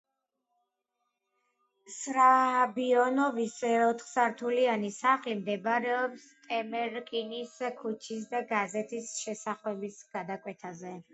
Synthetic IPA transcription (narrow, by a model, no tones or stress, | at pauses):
sɾahabiɔnɔvisɛɔt̪ʰχsaɾt̪ʰulianisaχimd̪ɛbaɾɛɔpst̪ʼɛmɛɾkʼiniskʰut͡ʃʰisd̪aɡazɛt̪ʰisʃɛsaχlɛbisɡ̥ad̪akʼwɛt̪ʰazɛ